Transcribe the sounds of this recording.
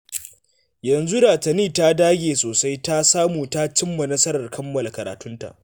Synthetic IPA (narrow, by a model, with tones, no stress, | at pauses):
jɐ˨nzu˦ɽaː˨tɐ˨niː˦ta˦daː˦ɡʲeː˨soː˨sa˦jta˦saː˦muː˨ta˦t͡ʃɪ˦mːa˨nɐ˦sɐ˦ɾɐ˨rkʰɐ˦mːɐ˨la˨kɐ˨ɾaː˨tʊ˦nta̰˨ʔ